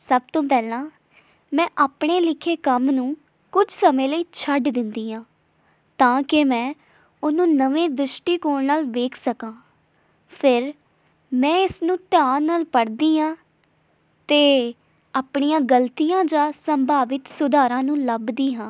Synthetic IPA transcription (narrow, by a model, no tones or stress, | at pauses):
səb̚t̪õːpɛːlãː | mɛ̃ːʔaːpɳeːlɪkʰeːkəmnũː | kʊd͡ʒsəmẽːləiːt͡ʃʰəɖd̪ɪnd̪iːɦãː | t̪ãːkɪmɛ̃ː | ʊnũːnəʋẽːd̪ʊʃʈiːkoːɽnaːlʋeːkʰsəkãː | pʰɪɾ | mɛ̃ːɪsnũːt̪jaːnːaːlpəɽd̪iːɦãː | t̪eː | aːpɳijãːɡəlt̪ijãːd͡ʒãːsəmbʱaːʋɪt̪sʊd̪aːɾãːnũːləbd̪iːɦãː